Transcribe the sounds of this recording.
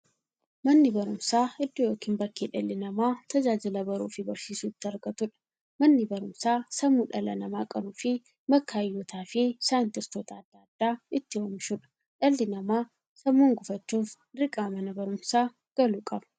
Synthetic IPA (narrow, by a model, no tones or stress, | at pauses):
mɐnːɪbɐɾʊmsaːɪd̪ːɔjo̞ːkiːnmbɐkːiːᶑɐlːɪnɐmaːt̪ɐd͡ʒaːd͡ʒɪlɐbɐɾuːfɪbɐɾʃiːsuːɪt̪ːɪɐɾɡɐt̪ʊᶑɐ̥ | mɐnːɪbɐɾʊmsaːsɐmuːᶑɐlɐ̰nɐmaːkʼɐɾuːfɪ | mɐkːaːjːoːt̪ʰaːfɪsaːnt̪ɪst̪oːt̪ɐːd̪̥ːaːd̪ːaːɪt̪ːɪwɐmɪʃʊᶑɐ̥ | ᶑɐlːɪnɐmaː | sɐmːuːŋɡʊfɐt͡ʃːuːf | ɾɪkʼaːmɐnɐbɐɾʊmsaː | ɡ̥ɐluːkʼɐbɐ̥